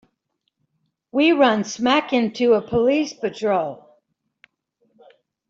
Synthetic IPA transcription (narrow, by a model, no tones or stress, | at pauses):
wiɹʌ̃nsmækɪ̃ntʰʉəpʰəlispɨtʰɹ̥oʊlˠ